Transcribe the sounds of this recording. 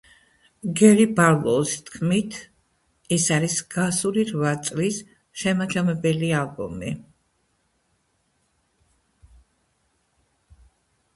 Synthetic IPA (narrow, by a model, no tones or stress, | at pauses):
ɡɛɾiballɔst̪ʰkʰmit̪ʰ | ɛsaɾisɡ̥asuɾiɾvat̪sʼlis | ʃɛmad͡ʒamɛbɛlialˠbṵmi